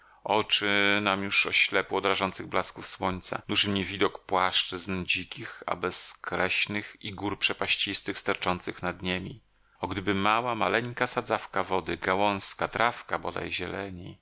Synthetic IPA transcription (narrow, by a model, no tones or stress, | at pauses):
ɔt͡ʂɘnamjuʂɔɕlɛpuɔd̪ɾaʐɔnt̪sɘɣblaskufswɔɲt̪sa̰d̪uʐɘmɲɛvʲid̪ɔkpwaʂt͡ʂɘznd͡ʑikʲixa̰bɛskɾɛɕnɘxiɡuɾpʂɛpaɕt͡ɕist̪ɘxst̪aɾt͡ʂɔnt̪sɘxnad̪ɲemʲi | ɔɡd̪ɘbɘmawamalɛŋkasad̪zafkavɔd̪ɘɡawɔ̃ñskat̪ɾʔafkabɔd̪a̰jʑɛlɛɲi